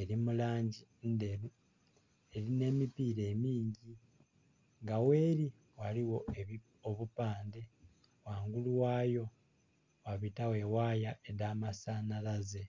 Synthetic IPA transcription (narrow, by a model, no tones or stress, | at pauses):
e̞ɾimulaːɲɟi | nde̞ɾu | e̞ɾine̞ːmipiːɾe̞ːmiːɲɟi | ŋɡawe̞ːɾi | waliwo̞e | oβupaːnde̞ | waːŋɡuluwaːjo̞ | waβitawe̞waːjaʔe̞ðaːmasaːnalaze̞